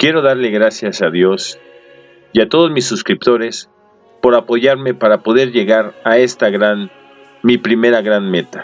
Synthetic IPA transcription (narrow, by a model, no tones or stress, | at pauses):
kje̞ɾo̞ðaɾle̞ɣɾasjasaðjo̞s | jat̪o̞ðo̞zmisːuskɾip̚t̪o̞ɾe̞s | po̞ɾapo̞ʝaɾme̞paɾapo̞ðe̞ɾʝe̞ɣaɾae̞st̪aɣɾan | mipɾime̞ɾaɣɾanme̞t̪ḁ